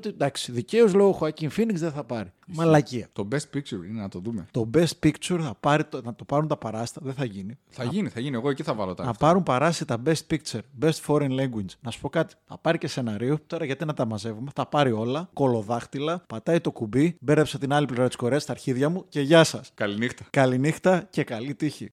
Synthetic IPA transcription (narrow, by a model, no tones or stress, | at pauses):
ot̪id̪ɐksi̥ðice̞ozlo̞oxoɐciɱfiniɡzðeθɐpɐɾimɐlɐciɐt̪o̞best̪̚pik̚t͡ʃuɾinenɐt̪o̞ðumet̪o̞best̪̚pikt͡ʃuɾθɐpɐɾit̪nɐt̪o̞pɐɾunt̪ɐpɐɾɐsi̥t̪ɐðeθɐʝiniθɐʝiniθɐʝinie̞ɣoe̞ciθɐvɐlot̪ɐnɐpɐɾumpɐɾɐst̪ɐt̪ɐbe̞st̪̚pik̚t͡ʃeɾbe̞st̪fo̞ɾenleŋɡwinznɐsu̥po̞kɐt̪i̥θɐ̰pɐɾice̞se̞nɐɾiot̪o̞ɾɐʝɐt̪inɐt̪ɐmɐze̞vume̞θɐpɐɾio̞lɐko̞lo̞ðɐxt̪ilɐpɐt̪ɐit̪o̞kubibe̞ɾðepsɐt̪inɐliplivɾɐt̪i̥sko̞ɾeɐst̪ɐɾçiðʝɐmuce̞ʝɐsɐskɐlinixt̪ɐ̥kɐlinixt̪ɐce̞kɐlit̪içḭ